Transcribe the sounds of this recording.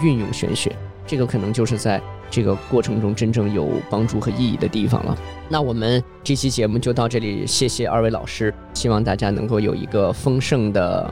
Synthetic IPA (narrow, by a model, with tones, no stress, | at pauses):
y˥˧njʊ̰˥˩ŋɕɥɛ̰˧˥nɕɥɛ̰˧˥ | ʈ͡ʂɤ˥˩ɡə˩kʰɤ˨˩nɤ˧˥ŋt͡ɕjo˥˧ʊʂɻ̩˥˧t͡sa˥˧ɪ | ʈ͡ʂɤ˥˩ɡə˩kwɔ˥˩ʈ͡ʂʰɤ˧˥ŋʈ͡ʂʊ˥ŋʈ͡ʂə˥nʈ͡ʂɤ˥˩ŋjo̰˨˩ʊpɑ˥ŋʈ͡ʂu˥˩xɤ˧˥i˥˧ḭ˥˩d̪ə˦t̪i˥˩fɑ̰˨˩ŋlə̰˩ | na˥˩wɔ˨˩mə˦n | ʈ͡ʂɤ˥˩t͡ɕʰi˥t͡ɕjɛ˧˥mu˥˧˩t͡ɕjo˥˧ʊt̪ɑ˥˧ʊʈ͡ʂɤ˥˩lḭ˨˩ɕjɛ˥˩ɕjɛ˩a̰˞˥˧we˧˥ɪlɑ̰˨˩ʊʂɻ̩˥ | ɕi˥wɑ˥˧ŋt̪a˥˩t͡ɕja˥nɤ̰˧˥ŋko˥˩ʊjo˨˩ʊḭ˧˥ɡə˧fɤ˥ŋʂɤ˥˩ŋd̪ə̰˩